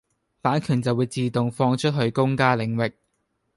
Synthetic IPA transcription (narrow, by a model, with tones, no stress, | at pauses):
paː˨˥nkʰyː˨˩nt͡sɐ˨wuː˨˧jt͡siː˨t̪ʊ˨ŋfɔː˧ŋt͡ʃʰɵ˥t̚ɦɵ˧ɥkʊ˥ŋkaː˥lɪ˨˥ŋwɪ˨k̚